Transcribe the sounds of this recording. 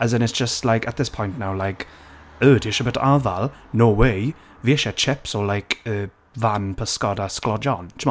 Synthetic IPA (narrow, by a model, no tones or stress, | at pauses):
əzə̃nɪtsd̥ʒ̥əstlajkət̪̚ðɪspʰɔ̃jnʔnawlajk | əːdɪʃəbətʰavalˠnoːwej | viɛʃɛt͡ʃʰɛpsɔlajkəː | vanpʰəskɔdasklɔd͡ʒɔnt͡ʃʰm